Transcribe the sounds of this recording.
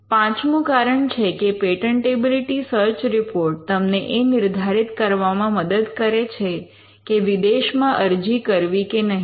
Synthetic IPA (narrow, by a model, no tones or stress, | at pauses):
pãt͡ʃnũkaɾəɳt͡ʃʰekepeʈəɳʈebiliʈisəɾt͡ʃɾɪpoɾʈ̚t̪əmneʔenɪɾd̪ʱaɾit̪kəɾʋamãməd̪əd̪kəɾet͡ʃʰe | keʋid̪eʃmãʔəɾd͡ʒikəɾʋikenəɦi